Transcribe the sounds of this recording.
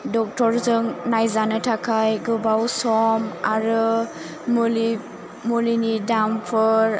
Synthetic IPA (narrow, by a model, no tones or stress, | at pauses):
dɔk̚tɔɾzɯŋnajzanɯtʰakʰajɡɯbawsɔmaɾɯ | mli | mulinidampʰɯɾ